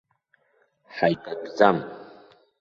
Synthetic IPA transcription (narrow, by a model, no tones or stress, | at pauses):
ħajtʼaɡd͡zam